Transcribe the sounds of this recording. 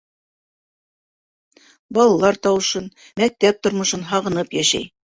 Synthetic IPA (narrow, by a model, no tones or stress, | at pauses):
bɑlˠɑlˠɑɾt̪ɑwɤ̆ʃɤn | mæk̚t̪æp̚t̪ŏɾmŏʃɤnɦɑʁɤ̆nɤpjæʃæ̰j